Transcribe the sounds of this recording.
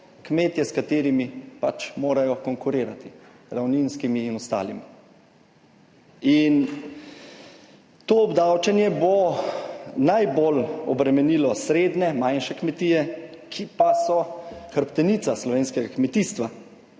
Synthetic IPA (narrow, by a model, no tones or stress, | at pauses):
kmeːt̪jɛskat̪eːɾimipat͡ʃmoːɾajɔkɔŋkuɾeːɾat̪i | ɾawninskimiːnɔst̪a̰ːlḭmi | in | t̪oːbd̪awt͡ʃɛnjɛbo | najbolɔ̰bɾɛmɛniːlɔsɾeːd̪nɛmajnʃɛkmɛt̪iːjɛkʰipasɔxəɾpt̪ɛnit̪saslɔʋeːnskɛɡakmɛt̪iːst̪ʋa